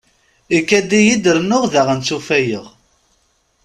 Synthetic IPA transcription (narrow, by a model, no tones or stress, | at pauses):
ikːæd̪ijid̪əɾnːʊʁðəʁənt͡sːufæjəʁ